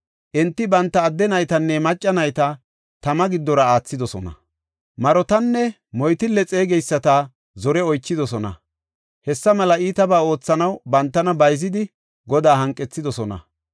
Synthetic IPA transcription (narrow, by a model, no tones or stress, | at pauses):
ʔɪnt̪ːɪbɐnt̪ːɐːd̪ːɛnɐjt̪ɐnːɛmɐt͡ʃʼːɐnɐjt̪ɐ | t̪ɐmɐɡɪd̪ːɔɾɐaːt͡sːɪd̪ɔsɔnɐ̰ | mɐɾɔt̪ɐnːɛ | mɔjt̪ɪlːɛt͡sʼe̞ːɡɛjsːɐt̪a | zɔɾɛɔjt͡ʃːɪd̪ɔsɔnɐ̰ | hɛsːɐmɐlɐiːt̪ɐbaːo̞ːt͡sːɐnɐwbɐnt̪ːɐnɐbɐjzɪd̪ɪ | ɡɔd̪aːhɐŋkʼːɛt͡sːɪd̪ɔsɔnɐ̰